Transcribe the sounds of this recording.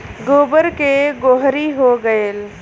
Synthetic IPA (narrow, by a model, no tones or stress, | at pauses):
ɡoːbəɾkeɡoɦɾiɦoɡəeːl